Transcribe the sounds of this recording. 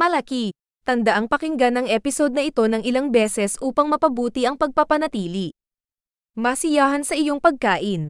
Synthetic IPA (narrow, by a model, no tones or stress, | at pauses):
mɐlɐki | t̪ɐnd̪ɐʔaŋpɐkɪŋɡanɐŋʔɛpɪso̞d̪̚nɐʔɪt̪o̞nɐŋʔɪlaŋbɛːsɛsʔuːpɐŋmɐpɐbuːt̪iʔɐŋpɐɡ̚pɐpɐnɐt̪iːli | mɐsɪjaːɦɐnsɐʔɪjo̞ŋpɐɡ̚kaːʔɪn